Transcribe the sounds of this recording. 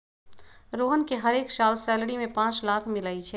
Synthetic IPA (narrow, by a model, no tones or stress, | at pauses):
ɾoːɦənkeɦɐɾeːksaːlsɛːləɽimẽpãːt͡ʃlaːkʰmɪlaːit͡ʃʰɛ